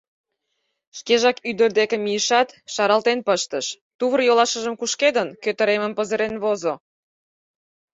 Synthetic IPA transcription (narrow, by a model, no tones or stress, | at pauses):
ʃkeʒɑkyd̪ə̆rd̪ekĕmijəʃɑt̪ʃɑɾɑlt̪enpəʃt̪əʃ | t̪uβərjolɑʃə̆ʒəmkuʃked̪ənkøt̪ə̆ɾeməmpəzəɾenβozo